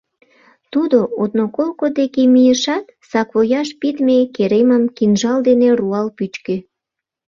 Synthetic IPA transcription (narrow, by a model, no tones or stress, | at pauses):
t̪ud̪oot̪nokolkod̪ekemijəʃɑt̪̚sɑkβojɑʃpit̪mekeɾeməmkinʒɑld̪eneruɑlpyt͡ɕke